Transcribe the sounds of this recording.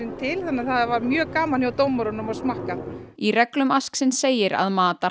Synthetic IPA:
ɪnt̪ʰɪlθanːɪaθaðavaɾmjœːkaːmanjawt̪owmɔɾɔnʏmɔɣsmahkairɛklʏmasksɪnseːjɪɾa̰ðmaːt̪a

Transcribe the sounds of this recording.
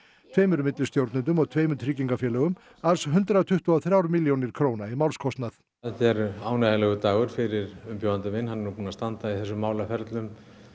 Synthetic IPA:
t̪ʰveːjmʏɾmɪt̪lʏst̪jowɾt̪nʏnt̪̬ʏmɔɣt̪ʰveːjmʏnt̪ʰɾiːciŋkafjɛːlœɣʏm | aɾsɦʏnt̪ɾaat̪ʰʏht̪uaθɾjaːwɾʏmiljownɪɾ̥kʰɾoːwnaimawlskʰɔst̪naθ | ðçɛɾaːwnajðalɛɣʏt̪aːɣʏɾ̥fɪɾɪɾʏmpjoːwant̪ɪmɪnhanːnupuːnast̪ant̪aiθɛsːʏmːaːwlafɛɾt̪lʏm

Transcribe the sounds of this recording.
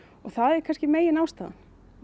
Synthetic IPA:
ɔɣθaðɛɾ̥kʰanscɪmeːjɪnaːwst̪aːða̰

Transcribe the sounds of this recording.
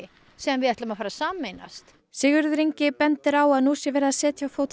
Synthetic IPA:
ɪ | sɛmvɪðɛht̪lamafaːɾasaːmːejna̰st̪ | sɪɣʏɾðɾiɲcɪpɛnt̪ɪɾawaðnuːsjɛvɛːɾaðsɛːt̪ʰjawfowt̪

